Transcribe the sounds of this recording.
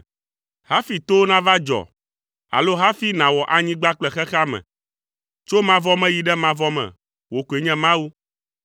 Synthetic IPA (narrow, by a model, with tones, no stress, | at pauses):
ha˦fi˨t̪o˦nã˦va˦d͡ʒɔ̰˨ | a̰˨lo˦ɦa˦fi˦nã˨wɔ˨ʔa˨ɲĩ˦ɡ͡ba˦k͡plɛ˨xɛ˦xa˦mɛ̰̃˨ | t͡ʃo˦mã˦vɔ˦mɛ̃˦ji˨ɖɛ˦mã˦vɔ˦mɛ̰̃˨ | wo˨ku˨e˨ɲɛ̃˦mã˦wu˦